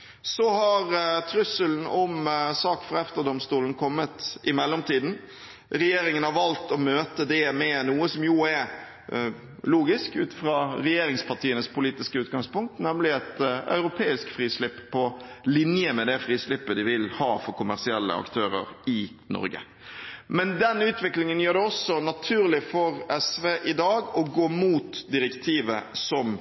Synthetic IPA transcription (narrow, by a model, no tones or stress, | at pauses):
sɔhɑɾt̪ʰɾʉsəln̩ɔmsɑːkfɾɑɛft̪əd̪ɔmst̪uːln̩kʰɔmːət̪ɪmɛlːɔmt̪ʰiːd̪n̩ | ɾɛjeːɾɪŋənɑʋɑlt̪ɔmøːt̪əd̪ɛmɛnuːəsɔmjuːɛɾ | luːɡɪskʉ̰ːt̪ɪ̥fɾɑːɾɛjeːɾɪŋspɑʈ̪iːənəspʰʊliːt̪ɪskəʉːt̪ɡɑŋspʊŋk̚t̪nɛmlɪɛt̪œ̰ʏɾʊpʰeːɪskfʁiːslɪpːpʰːɔlɪnjəmɛd̪ɛfɾiːslɪpːəd̪ɪʋɪlhɑːfɔɾkʰʊmæɾsɪɛlːə̰ɑ̰kt̪ʰøːɾə̰ɾɪ | nɔ̰ɾɡə̰ | mɛnd̪ɛnʉːt̪ʋɪklɪŋənjøːɖ̪ɛɔsːɔnɑt̪ʰʉːɾlɪfɔɾɛsʋeːʔɪd̪ɑːɡɔɡoːmuːt̪d̪ɪɾɛkt̪ʰiːʋəsɔm